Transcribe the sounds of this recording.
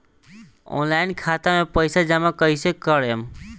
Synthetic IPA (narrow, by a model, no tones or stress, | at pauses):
o̰nlainkʰat̪amẽpəjsad͡ʒamakəisekəɽem